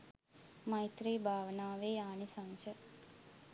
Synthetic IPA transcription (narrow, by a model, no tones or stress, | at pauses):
majt̪ɾiːbʱaːʋənaːʋeːaːnisaŋʃə